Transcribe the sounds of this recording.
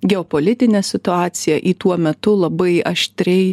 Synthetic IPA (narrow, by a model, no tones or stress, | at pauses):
ɡʲɛoːpoːlʲɪt̪ʲɪnʲɛsʲɪt̪ʊɑːt̪sʲɪjɛʔiːt̪uɔmʲɛt̪ʊlˠɐbɐɪɐʃʲt̪ʲɾʲɛɪ